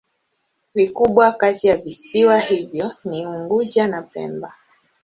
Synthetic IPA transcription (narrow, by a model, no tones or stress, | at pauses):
vikuɓwakatijavisiwahivjɔniuŋɡud͡ʒanapɛ̰mba